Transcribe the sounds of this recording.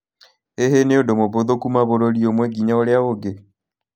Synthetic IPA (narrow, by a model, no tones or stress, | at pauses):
eɦeneodomoβoðokumaβoɾoɾiomweɡiɲaoljaβoɡe